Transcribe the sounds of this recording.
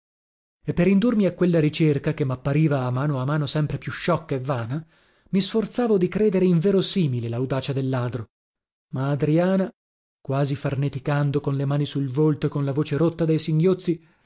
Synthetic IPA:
epːeɾind̪urmiakːwelːaɾit͡ʃerkakemːapːaɾiːvaːmːaːnoamaːnosɛmpɾepjuʃːɔkːaevːaːna | misfort̪saːvod̪ikɾeːd̪eɾeiɱveːɾosiːmilelaud̪aːt͡ʃad̪elːaːd̪ɾo | maːd̪ɾiaːna | kwaːzifarnet̪ikand̪okonlemaːnisulvolt̪oekːonlavoːt͡ʃeɾot̪ːad̪ejsiŋɡjot̪sːi

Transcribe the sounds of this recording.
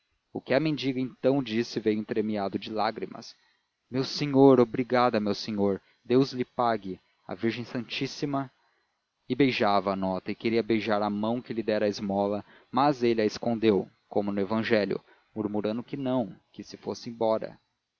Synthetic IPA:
ʊkɪɐmẽnd͡ʒiɡɐẽnt̪ɐ̃w̃d͡ʒisɪvejʊĩt̪ɾemiad̪ʊd͡ʒɪlaɡɾimɐ̰s | mewseɲoɾobɾiɡad̪ɐmewseɲoɾ | d̪ewzlɪpaɡɪ | ɐ̰viɾʒẽj̃sɐ̃nt͡ʃisimɐ | ɪbejʒavɐːnɔt̪ɐɪkeɾiɐbejʒaɾɐmɐ̃w̃kɪlɪd̪ɛɾɐɪzmɔlɐ | mɐzelɪɐeskõnd̪ew | kõmʊnʊevɐ̃ʒɛlʲjʊ̰ | muɾmuɾɐ̃nd̪ʊkɪnɐ̃w̃kɪsɪfosɪẽbɔɾɐ̰

